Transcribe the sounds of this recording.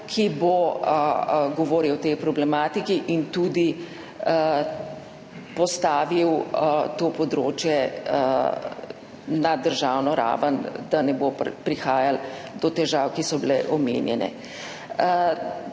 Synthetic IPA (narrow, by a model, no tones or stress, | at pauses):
kʰibo | ɡɔʋoːɾiwt̪ɛjpɾɔblɛmaːt̪ikiʔint̪uːd̪i | pɔst̪aːʋiwt̪oːpɔd̪ɾoːt͡ʃjɛ | nad̪əɾʒaːwnɔɾa̰ːʋənd̪anɛbopɾixaːjald̪ɔt̪ɛʒawkisɔbilɛʔɔmḛːnjɛ̰nɛ̰